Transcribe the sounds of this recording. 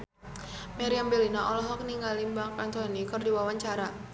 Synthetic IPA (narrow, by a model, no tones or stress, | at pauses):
maɾiambelinaʔɔlɔɦɔk̚niŋɡalimbaŋkant̪ɔnikɨrdiwawaɲt͡ʃaɾa